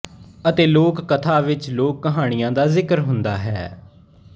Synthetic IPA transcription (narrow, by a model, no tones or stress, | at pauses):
ət̪eːloːkːət̪ʰaːʋɪt͡ʃloːkːəɦaːɽ̃ɪjãːd̪aːzɪkəɾɦʊnd̪aːɦɛː